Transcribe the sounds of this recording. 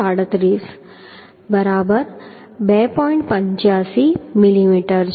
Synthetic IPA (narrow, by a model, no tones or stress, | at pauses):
aɽət̪ɾiːs | bəɾabəɾ | bɛpɔiɳʈpəɲt͡ɕjasimilimiʈəɾd͡ʑ